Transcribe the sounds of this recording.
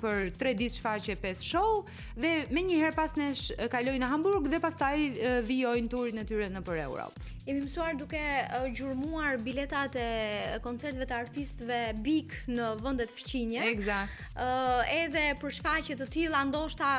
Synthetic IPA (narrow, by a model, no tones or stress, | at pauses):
pəɾt̪ɾɛd̪it̪ʃfacɛpɛsʃɔ | ðɛmɛɲəhɛɾpasnɛʃkalɔjnəɦambuɾɡðɛpast̪ajviɔjnt̪uɾinɛt̪yɾɛnəpəɾɛ̰wɾɔ̰p | imimsuaɾd̪ukɛɟuɾmuaɾbilɛt̪at̪ɛkɔnt͡sɛɾt̪vɛt̪əaɾt̪ist̪əvɛbiknəvənd̪ɛt̪əfə̥t͡ɕiɲɛɛɡzak̚t | ɛðɛpəɾʃfacɛt̪ət̪ilˠand̪ɔʃt̪a